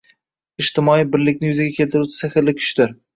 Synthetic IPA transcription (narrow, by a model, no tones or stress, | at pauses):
ɪʃt̪ʰɪmɒijbɪɾlɪkʲnɪjʊzaɡʲakʲʰe̞lt̪ɪɾut͡ʃʰɪ̥sɪxɪɾlːɪkʲʰʊ̥ʃt̪ɪɾ